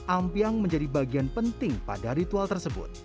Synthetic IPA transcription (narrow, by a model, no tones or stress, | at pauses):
ʔampiaŋməɲd͡ʒadibaɡianpənt̪ɪŋpa̰daɾit̪ualt̪ərsəbʊ̰t̪̚